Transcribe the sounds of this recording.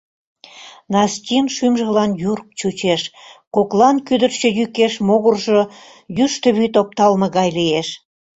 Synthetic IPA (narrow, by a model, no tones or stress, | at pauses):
nɑstʲinʃymʒəlɑnjurk̚t͡ɕut͡ɕeʃkoklɑnkyd̪ə̆rt͡ɕə̆jykeʃmoɣurʒo | jyʃt̪ə̆βyt̪op̚t̪ɑlmə̆ɣɑjlijeʃ